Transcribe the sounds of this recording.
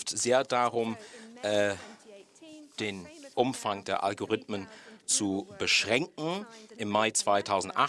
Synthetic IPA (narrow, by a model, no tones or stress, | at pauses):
tzeːɐdaʁʊmʔɛ | d̥eːnʔʊmfaŋdeːɐʔa̰lɡoʁɪtmənt͡subəʃʁ̥ɛŋkŋ̩ɪmːaɪt͡sv̥aɪtʰaʊzn̩tʔa̰